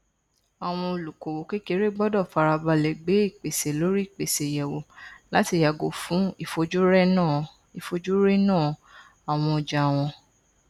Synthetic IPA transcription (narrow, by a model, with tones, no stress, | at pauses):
a˨w̃ɔ̃˧o˨lu˨ko˨wo˨ke˦ke˦ɾe˦ɡ͡bɔ˦dɔ˦˨fa˧ɾa˧ba˧lɛ˨ɡ͡be˨˦i˦˨k͡pe˨se˨lo˨˦ɾi˦i˦˨k͡pe˨se˨jɛ˨wo˨la˨˦ti˧˨ja˨ɡo˨fũ˨˦i˦˨fo˧d͡ʒu˦ɾɛ˦nã˦˨ | i˨fo˧d͡ʒu˦ɾe˦nãː˦˨ | a˨w̃ɔ̃˧˨d͡ʒa˨w̃ɔ̃˧